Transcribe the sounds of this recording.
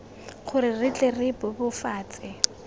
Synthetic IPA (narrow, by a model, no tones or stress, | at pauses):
χʰʊɾɪrɪt͡ɬʼerɪbʊbʊfaːt͡sʼɪ